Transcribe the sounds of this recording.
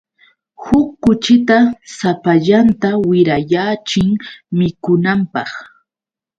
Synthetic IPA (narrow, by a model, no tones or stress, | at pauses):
hʊkːʊt͡ʃɪt̪asapaʎant̪awɪɾajaːt͡ʃɪŋmɪkʊnampɑχ